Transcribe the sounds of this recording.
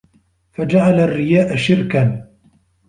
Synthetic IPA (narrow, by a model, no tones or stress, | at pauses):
fad͡ʒaʕalarːɪjaːʔaʃɪɾkan